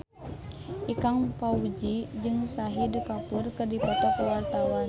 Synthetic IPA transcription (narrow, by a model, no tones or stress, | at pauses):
ʔikaŋpaud͡ʒid͡ʒɨŋsaɦidkapurkɨrdipɔt̪ɔkwart̪awan